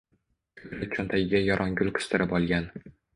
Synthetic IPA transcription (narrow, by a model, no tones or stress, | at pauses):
ɾɪt͡ʃʰɒnt̪ʰaɡʲɪɡʲajɒɾʔɒŋɡʲʊlʲˠkʰʊ̥st̪ɪɾɪpɒlˠɡʲan